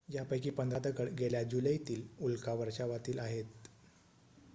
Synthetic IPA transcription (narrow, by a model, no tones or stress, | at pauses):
d͡ʑjapəjkiːpənd̪ad̪əkəɽɡeljad͡ʑuləjt̪iːlulkaʋəɾʂaʋat̪iːlaɦet̪